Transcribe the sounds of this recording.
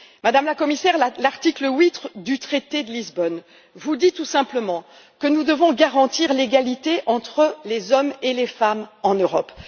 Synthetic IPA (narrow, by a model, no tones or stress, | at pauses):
mad̪amlakɔmisɛʁlaʁt̪ikləwit̪χd̪yt̪χet̪ed̪əlizbɔn | vud̪it̪usɛ̃pləmɑ̃ | kənud̪əvɔ̃ɡaʁɑ̃t̪iʁleɡalit̪eʔɑ̃t̪χəlezɔmelefamɑ̃nøʁɔp